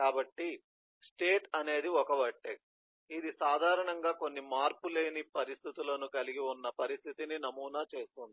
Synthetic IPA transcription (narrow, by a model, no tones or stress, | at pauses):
kaːbɐʈːi | sʈe̞ːʈɐne̞ːd̪iɔkɐʋɐʈːek̚ | id̪isaːd̪ʱaːɾɐɳɐŋɡaːko̞nːimaːɾpule̞ːnipɐɾist̪ʰit̪ulɐnukɐliɡiunːɐpɐɾist̪ʰit̪ininɐmuːnaːt͡ʃe̞ːst̪und̪i